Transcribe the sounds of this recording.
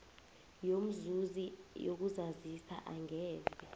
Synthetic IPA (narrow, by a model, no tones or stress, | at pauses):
jom̩zuzijok̬uzazisa̰ʔaŋɛːzɛ